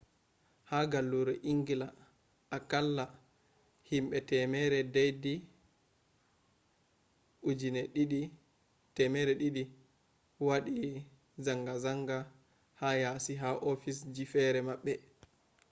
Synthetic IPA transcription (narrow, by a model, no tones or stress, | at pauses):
haɡalːuɾɛʔiŋɡila | akalːa | himɓɛtɛmɛɾɛdajdi | ʔud͡ʒinɛɗiɗi | tɛmɛɾɛɗiɗi | waɗi | zaŋɡazaŋɡa | hajasiɦaʔofisd͡ʒifɛɾɛmaɓːɛ